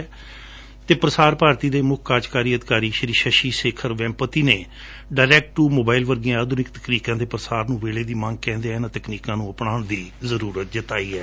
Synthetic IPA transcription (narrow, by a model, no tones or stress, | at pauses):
t̪eːpɾəsaːɾpaːɾt̪iːd̪eːmʊkʰkaːd͡ʒkaːɾiːəd̪ɪkaːɾiːʃəɾiːʃəʃiːseːkʰəɾʋɛ̃ːmpət̪iːneː | ɖaːɪɾɛːk̚ʈʈuːmoːbaːɪlʋəɾɡijãːaːd̪ʱʊnɪkt̪ə̥kniːkãːd̪eːpɾəsaːɾnũːʋeːleːd̪iːmə̃ŋɡ̚kɛ̃ːnd̪eːɛːnãːt̪əkniːkãːnũːəpnaːnd̪iːzəɾuːɾət̪̚d͡ʒət̪aːiːɛː